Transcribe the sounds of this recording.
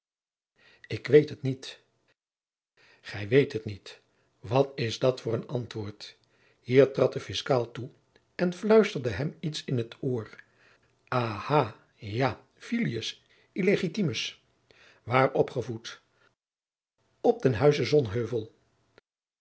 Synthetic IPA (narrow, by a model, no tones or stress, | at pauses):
ɪkʋejtɦətnit | χɛjʋejtɦətnit | ʋɑtɪzdɑtfʊːrənɑntʋʊːɹt | ɦiːɹtrɑt̚dəfɪskaːlˠtu | ɛnflœɥstəɹdəɦɛmitsɪnətʰoːɹ | ʔaːhaː | jaː | filiəs | ileχitiməs | ʋaːɹʔɔpχəvut | ɔb̚dənɦœɥzəzɔnɦøɥvəlˠ